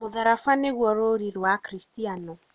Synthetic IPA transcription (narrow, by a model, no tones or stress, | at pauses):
moðaɾafaneɣwɔɾoɾiɾwakɾistianɔ